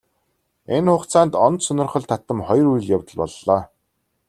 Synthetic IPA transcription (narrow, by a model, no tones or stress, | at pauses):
enχʊχt͡saːnt̪ɔnt̪sɵnʲɪ̆rχɞ̆ɮt̪ʰat̪ə̆mχɔjruj̆ɮjawt̪ə̆ɮpɔ̰ɮːɔː